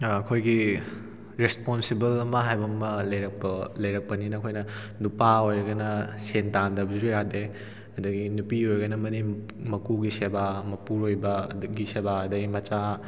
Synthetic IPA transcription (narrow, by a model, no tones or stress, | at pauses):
ɐkʰojɡi | ɾesponsibɐlɐmɐɦajbɐmɐlɐjɾɐk̚pɐlɐjɾɐk̚pɐninɐkʰojnɐ | nupaojɾɐɡɐnɐsentandɐbd͡ʒɾojade | ɐdɐɡinupiojɾɡɐnɐmɐni | mɐkuɡisebamɐpuɾojbɐɡisebaɐdɐɡimɐt͡ʃa